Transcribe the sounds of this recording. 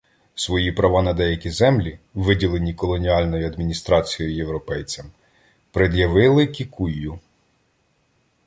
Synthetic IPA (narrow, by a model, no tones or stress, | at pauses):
sʋɔjipɾɐʋɑnɐd̪ɛjɐkʲizɛmlʲiʋɪdʲilˠe̞nʲikɔlˠɔnʲiɑlʲnɔjʊɐd̪mʲinʲist̪ɾɑt͡sʲijɔjʊjewɾɔpɛjt͡sʲɐm | pɾed̪jɐʋɪlˠɪkʲikujːʊ